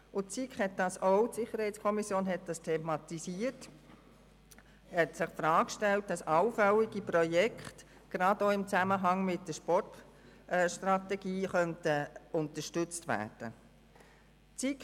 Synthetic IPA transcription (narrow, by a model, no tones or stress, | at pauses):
ʊt͡sikχhɛt̚d̥ɑsɔʊtsɪχːəɾhɛɪtt͡skʰɔmisjoːnɦɛt̚d̥ɑstʰɛːmɑt̪isiːət | hɛtsɪχfɾɑːkʃtɛlt̚d̥ɑsɑʊfœliɡipɾɔjɛkχt | ɡ̥ɾɑdoːɪmt͡sæməɦɑŋmɪt̚d̥əʃpɔrt | ʃtrɑt̪ɛɡiːχœntəʊnt̪əʃtʏt͡stʋæ̰ːd̥ə | t͡sik